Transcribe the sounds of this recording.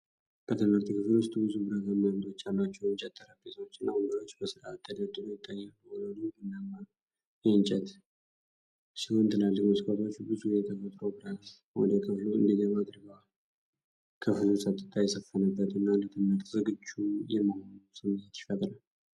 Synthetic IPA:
b̥ət̪ʰɨmɨɾt̪ʰikʰɨflwʊst̪ʼbɨzubɨɾaɡamːaamt̪ot͡ʃːalːat͡ʃːɛwɨnt͡ʃʼɛt̪ʼːəɾəbesəwot͡ʃːɨnːauŋɡəɾo̞t͡ʃːbəsɨɾaat̪ʰːəd̪əd̪ɨɾəwt̪ʼːajːalːəhonəwnɨɡɨnːamːa | jɛɨnt͡ʃʼɛt̪ | sɨɨnt̪ʰɨnalːəhmɨsɨkʰʼət̪ʰo̞t͡ʃːbɨzujɛt̪ʰəfət̪ʼɾobɨɾas | wɔ̰d̪əkʰɨfluɨ̰nd̪iɡəβad̪ɨɾɡəw | kʰɨflusʼət̪ʼɨt̪ʰajɛsəfːənəbːət̪ɨnːalət̪ʰɨməɾt̪zɨɡɨd͡ʒːujɛmasɨmɨɲːɛt̪jɪfːət̪ʼɾal

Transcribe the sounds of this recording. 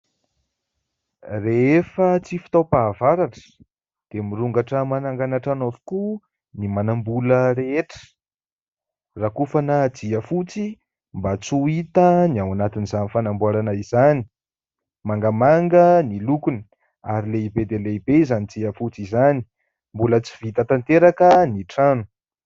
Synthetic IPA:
reefət͡sifi̥t̪opaːvaɾaʈ͡ʂə̥ | d̪̥emiɾuŋɡaʈ͡ʂəmanaŋɡanaʈ͡ʂanovu̥ku | nimanambuləɾeeʈ͡ʂə̥ | rakufanəd͡ziəfut͡si | mbat͡suit̪əniawanat̪inizanifanambuaɾanaizani | maŋɡamaŋɡənilukunə | aɾileibed̪eleibeizanid͡ziafut͡sizani̥ | mbulət͡si̥vit̪ət̪ant̪eɾakəniʈ͡ʂanu̥

